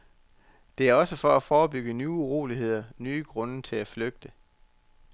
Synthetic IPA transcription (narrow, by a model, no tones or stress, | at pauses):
d̥e̝æɐɒ̽səfɒæfɒːb̥yɡ̥ənyːuʁo̝̰ːliɦe̝ð̞̰ˠɐnyːɡ̥ʁɔ̽nət͡sʰe̝læfløɡ̥̚d̥ə